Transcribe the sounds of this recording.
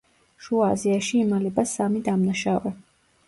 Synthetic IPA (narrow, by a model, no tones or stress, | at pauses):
ʃuaziaʃiːmalɛbasamid̪amnaʃavɛ